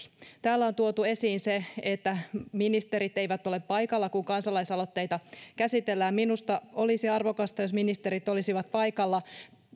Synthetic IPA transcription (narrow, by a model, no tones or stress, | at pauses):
t̪æːlːæo̞nt̪uot̪ue̞siːnseet̪ːæminist̪eɾit̪eiʋæt̪ːo̞lepːɑjkɑlːɑkuŋkɑnsɑlɑisɑlot̪ːe̞jt̪ɑkæsit̪elːæːmminust̪ɑo̞lisiɑrʋo̞kɑst̪ɑjo̞sminist̪eɾit̪o̞lisiʋɑt̪̚pɑjkɑlːɑ